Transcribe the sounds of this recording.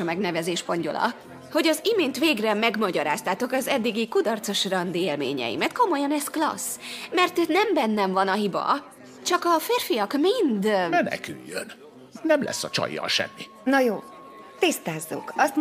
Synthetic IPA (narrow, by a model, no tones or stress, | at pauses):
ɒmɛɡnɛvɛzeːʃfo̞ɲɟo̰lʔɒ̰ | ho̞ɟɒzimeːnt̪ʋeːɡrɛmɛɡmɒɟɒɾaːst̪aːt̪o̞kɒzɛd̪ːiɡikud̪ɒrt̪so̞ʃrɒnd̪ieːlmḛːɲɛ̰jḭmɛt̪ko̞mo̞jɒnɛsklɒ̰smɛrt̪nɛmbɛnːɛɱvɒnɒɦibɒ̰ | t͡ʃɒkɒfeːrfijɒkmind̪mɛnɛ̰kyjːøn | nɛmlʔɛ̰sːɒt͡ʃɒ̰jːɒ̰ʃɛ̰mːi | nɒjoː | t̪ist̪aːzːṵkɒst̪